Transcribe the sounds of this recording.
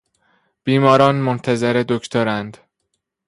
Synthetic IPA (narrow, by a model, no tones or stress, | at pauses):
b̥iːmɒːɾɒːnmont̪ʰæzeɾed̪okʰt̪ʰoɾænd̪